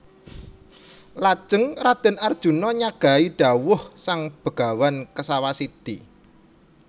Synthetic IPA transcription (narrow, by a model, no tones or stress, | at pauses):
lḁʒ̥əŋrad̪̥ə̤nard̥ʒ̥ṳnɔɲaɡ̥a̤iɖ̥a̤wʊhsaŋb̥ə̤ɡ̥a̤wankəsawasid̪̥i